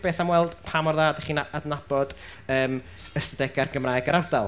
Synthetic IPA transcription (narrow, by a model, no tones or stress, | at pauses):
b̥eːθamwɛlˠd̥pʰamɔrðaːdəχiːnaadnabɔd̥ | əːməstədɛɡarɡəmraːɨɡaɾardalˠ